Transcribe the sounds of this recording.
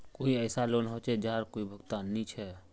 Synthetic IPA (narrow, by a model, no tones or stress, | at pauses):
koːiɛːsaloːnɦoːt͡ʃɛd͡ʒaːɾkoːibʱəɡt̪aːnːĩt͡ʃʰɛ